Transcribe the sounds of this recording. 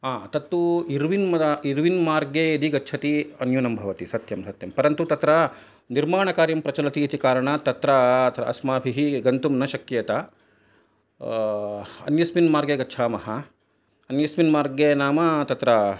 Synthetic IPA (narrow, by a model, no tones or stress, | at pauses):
aːt̪ɐt̪ːuiɾʋinmɐd̪ɐiɾʋinmaːɾɡeːid̪iɡɐtːt͡ʃʰɐt̪iɐnjunɐmbʱɐʋɐt̪isɐt̪jɐmsɐt̪jɐmpɐɾɐnt̪ut̪ɐt̪ɾɐ | niɾmaːɳɐkaːɾjɐmpɾɐt͡ʃɐlɐt̪iːt̪ikaːɾɐɳɐt̪ɐt̪ɾɐt̪ʰɾɐɐsmaːbʱiɦiɡɐnt̪umnɐʃɐkːijɐt̪ɐ | ɐ̰njɐsminmaːɾɡeːɡɐtːt͡ʃʰaːmɐɦɐ | ɐnjɐsminmaːɾɡjeːnaːmɐt̪ɐt̪ɾɐ